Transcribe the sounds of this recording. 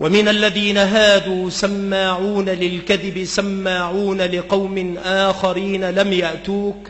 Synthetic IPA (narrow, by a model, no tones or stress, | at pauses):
wʔamɪnalːaðiːnaɦaːd̪uːsamːaːʕuːnalɪlkaðɪbɪsamːaːʕuːnalɪqɑwmɪnʔaːxaɾiːnalamjaʔt̪uːk